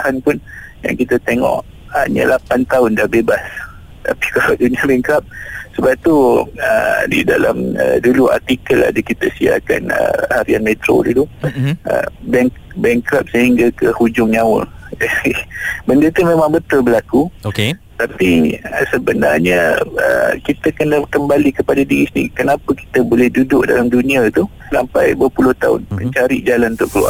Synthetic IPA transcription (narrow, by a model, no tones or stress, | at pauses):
ahanpʊnja̰ŋkit̪at̪eŋɔ̰ʔ | ha̰ɲa̰lapant̪aʊndahbebas | t̪a̰pi̥kalawduniabɛŋkɾap̚səbap̚t̪uədḭda̰la̰mədulua̰rt̪ikəla̰dəkit̪əsia̰ka̰nə̰haɾianmet̪ɾo̰duluə̰bɛŋ | bɛŋkɾap̚səɦiŋɡakəhud͡ʒʊŋɲawə̰r | bəndət̪umẽmãŋbət̪ʊlbəlakuoke | t̪apiəsəbəna̰rɲəə̰kit̪akənəkəmbalikəpadadiɾisəniikənapəki̥t̪əbolɛhdudʊʔdalamdunĩat̪u | sampajbəpulʊht̪aʊ̰nmə̰̃ɲt͡ʃaɾiʔd͡ʒalant̪ʊʔkəlua̰